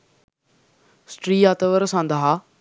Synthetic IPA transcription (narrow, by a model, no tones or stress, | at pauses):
sʈɾiːaːt̪əʋəɾsãːnd̪aɦa